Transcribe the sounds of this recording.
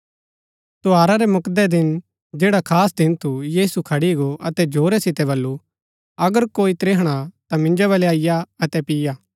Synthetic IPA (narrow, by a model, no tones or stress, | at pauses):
t̪oaːɾaɾɛmʊkd̪ɛd̪ɪn | d͡ʒeːɽakʰaːsd̪ɪnt̪ʰujiːsukʰɐɽiɡoʔɐt̪ɛd͡ʒoːɾɛsɪt̪ɛβɐlːu | ɐɡəɾkoːit̪ɾeːɦɽ̃at̪amɪ̃nd͡ʒaβɐleaːɪjaɐt̪ɛpɪjaː